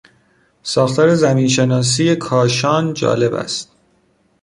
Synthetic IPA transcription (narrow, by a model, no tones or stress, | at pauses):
sɒːxt̪ʰɒːɾe̞zæmiːnʃe̞nɒːs̬iːje̞kʰɒːʃɒːnd͡ʒɒ̰ːle̞bæ̰st̪̚